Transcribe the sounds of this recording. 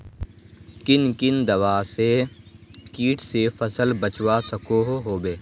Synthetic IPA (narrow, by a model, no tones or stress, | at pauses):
kɪnkɪnd̪ɐwaːse | kiːʈʰsefʰəsəlbət͡ʃwasəkoɦoɦoːbeː